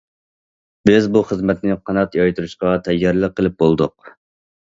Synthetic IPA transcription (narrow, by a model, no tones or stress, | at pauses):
bɪzbuχəzmɛt̪nɪqʰɑnɑt̪jɑjt̪uɾuʃqɑt̪ʰɛjːɑɾlˠəqʰːəlˠɪp̚bolˠd̪ʊq̚